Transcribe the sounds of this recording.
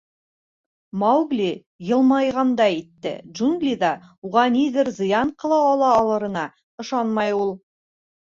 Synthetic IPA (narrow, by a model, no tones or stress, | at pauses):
mɑwɡlʲi | jɤ̆lˠmɑjʁɑnd̪ɑit̪ːɘ̰dʒuŋɡlʲid̪ɑuʁɑniðɘɾzɤ̆jɑɴqɤ̆lˠɑːlˠɑːlˠɤ̆ɾɤ̆nɑ | ɤ̆ʃɑnmɑjulˠ